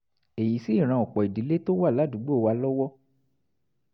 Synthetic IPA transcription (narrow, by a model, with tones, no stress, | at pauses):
e˨ji˨˦si˦˨ɾ̃ã˧˨ɔ˨k͡pɔ˨i˨di˨˦le˦to˦wa˦˨la˨˦du˨˦ɡ͡bo˦˨˧wa˧lɔ˦wɔ˦